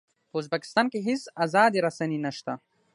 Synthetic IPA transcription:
pəuzbɐkɪ̥st̪aːnkeɦisazaːd̪iɾɐsɐninɐʃt̪a

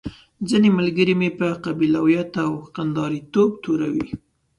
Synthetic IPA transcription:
zinemalɡəɾimepəqabilawjat̪awqand̪ɑɾit̪obt̪oɾawi

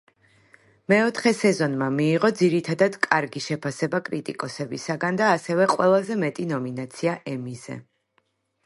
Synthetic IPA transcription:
mɛɔt̪ʰχɛsɛzɔnmamiːʁɔd̪ziɾit̪ʰad̪ad̪̥kʼaɾɡiʃɛpʰasɛbakʼɾit̪ʼḭkʼɔsɛbisaɡand̪aːsɛvɛqʼwɛlˠazɛmɛt̪ʼinɔminat̪sʰiaʔɛmizɛ̰

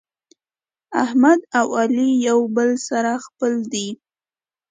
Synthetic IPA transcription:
ahmad̪awalijawbəlsaɾaxpəld̪i

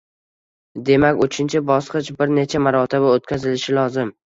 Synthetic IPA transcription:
d̪e̞makʲot͡ʃʰɪnt͡ʃʰɪbɒsqɨt͡ʃbɪɾne̞t͡ʃʰamaɾɒt̪ʰɪbaot̪̚kʲʰazɪlɪʃɪlɒzɪm

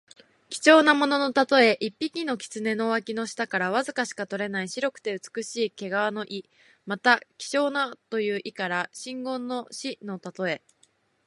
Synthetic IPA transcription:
kʲi̥t͡ɕo̞ːnamo̞no̞no̞t̪at̪o̞e̞ʔipʲːikʲino̞kʲi̥t͡sɨne̞no̞βakʲino̞ɕi̥t̪akaɾaβ̞azɨkaɕi̥kat̪o̞ɾe̞naiɕiɾo̞kɯ̟̥t̪e̞ɯ̟t͡sɨ̥kɯ̟ɕiːke̞ɡaβano̞ʔi | mat̪akʲi̥t͡ɕo̞ːnat̪o̞jɯ̟ːʔikaɾaɕĩŋɡõ̞nːo̞ɕino̞t̪at̪o̞e̞

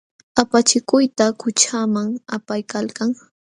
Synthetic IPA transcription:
apat͡ʃɪkʊjt̪akʊt͡ʃamaŋapajkalkaŋ

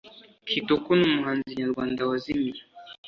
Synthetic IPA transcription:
kʰitukunumuɦanziɲalɡandawazimi

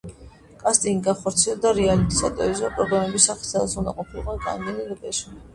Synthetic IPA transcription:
kʼast̪ʼiniɡaχɔɾt̪sʰiɛld̪aɾialit̪ʰʼiza̰t̪ʼɔizɔpʼɾɔɡɾamɛbisaχsʰɛlˠsuna̰qʼɔpʰilˠbaɡʼa̰nɡ̪ɛniɡd̪ʼɛʃi

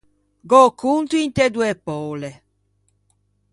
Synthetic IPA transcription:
ɡokːunt̪uint̪ed̪uepɔːle

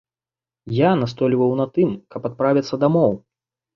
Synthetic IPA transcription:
janast̪ɔlʲvɐwnat̪ɨmkɐpat̪̚pɾavʲit̪sːɐd̪amɔw

